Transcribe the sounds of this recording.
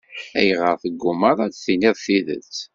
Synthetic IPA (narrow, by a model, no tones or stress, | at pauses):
æjʁəɾθəɡːʊməɾˤɑt͡sθiniðˤθiðə̰t͡sː